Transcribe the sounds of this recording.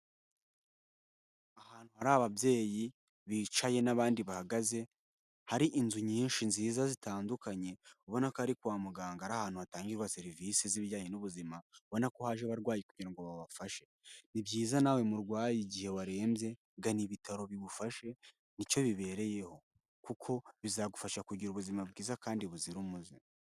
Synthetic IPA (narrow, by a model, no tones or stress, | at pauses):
ahaːn̥huhaɾaːβabje̞ːji | βiːt͡ʃaje̞naβaːndiβahaɡaze̞ | haɾiʔinzuɲiːnʃinziːzazitaːndukaɲe̞uβo̞nakohaɾikuwaːmuɡaːŋɡaaɾahaːn̥huhataːŋɡiɾɡwase̞ɾivisiziβɟaːɲinuβuzimaβo̞nakohaʒeβaɾɡwaːjekuɲiɾaŋɡoβaβafaʃe̞ | nibɟiːzanawe̞muɾɡwaːjiɟihe̞waɾe̞ːmbze̞ | ɡaniβitaɾo̞βiβufaʃe̞ | nico̞βiβe̞ːɾe̞je̞ho̞ | kukʰo̞βizaɡufaʃakuɟiɾuβuzimabɡiːzakaːndiβuziɾumuzi